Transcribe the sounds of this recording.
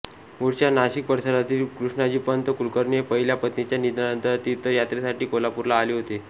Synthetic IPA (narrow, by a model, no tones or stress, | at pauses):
moɽt͡ɕjanaɕik̚pəɾsəɾat̪iːlkɾuʂɳad͡ʑiːpəənt̪əkulkəɾɳjepəɦiljapət̪net͡ɕjanid̪anənt̪əɾt̪iːt̪ːəɾjat̪ɾesaʈiːkolapuɾlaːleːɦot̪e